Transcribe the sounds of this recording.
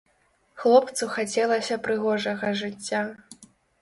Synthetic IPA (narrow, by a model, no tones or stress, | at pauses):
xlˠɔpt̪suxat͡sʲɛlˠɐsʲɐpɾɨɣɔʐɐɣɐʐɨt͡sʲːa